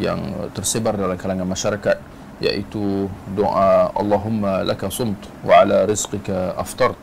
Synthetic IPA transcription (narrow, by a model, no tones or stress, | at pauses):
ja̰nt̪ɪɾsɪbɑɾˤalakalaŋamaʃɑɾˤɑka | ja̰ʔḭt̪ud̪ʊʔaʔɑ̰lˤːɑːɦʊmːalakasˤʊmt̪ˤ | wɪʕalaɾɪzqɪkaʔɑft̪ˤɑɾˤt̪ˤ